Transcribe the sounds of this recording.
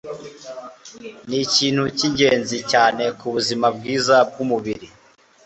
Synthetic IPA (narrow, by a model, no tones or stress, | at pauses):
niciːn̥huciɲɟe̞ːnzicaːne̞kuβuzimabɡiːzab̚ɡumuβiɾi